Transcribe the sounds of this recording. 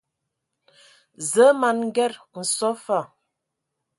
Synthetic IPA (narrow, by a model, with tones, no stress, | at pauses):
zə˨˦ma˨nŋ̩˦ɡɛ˦˨ɾn̩˨sɔ˦fa˦˨